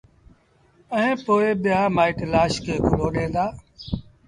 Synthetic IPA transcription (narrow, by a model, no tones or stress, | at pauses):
əɦẽːpoːeːɓɪjaːmaːɪʈlaːʃkeːkʰʊloːɗẽːnd̪aː